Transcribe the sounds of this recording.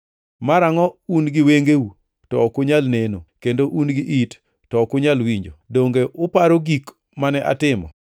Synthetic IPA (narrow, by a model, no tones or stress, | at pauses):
maɾaŋɔunɡɪweŋɡewu | tɔkʊɲalnenokendoʔunɡɪʔit | tɔkʊɲalwiɲd͡ʒodoŋɡeʔʊpaɾoɡik | manɛʔa̰tɪmɔ̰